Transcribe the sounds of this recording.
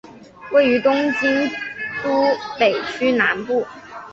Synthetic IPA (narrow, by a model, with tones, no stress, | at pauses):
we˥˩ɪy˧˥t̪ʊ˥ŋt͡ɕi˥nt̪u˥pe˨˩ɪt͡ɕʰy˥na˧˥npu˥˩